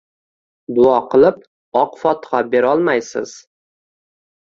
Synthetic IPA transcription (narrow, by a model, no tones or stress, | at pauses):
d̪ʊɒqʰɨlˠɪp̚ | ɒqfɒt̪χɑbe̞ɾɒlˠmajsɪ̰z̥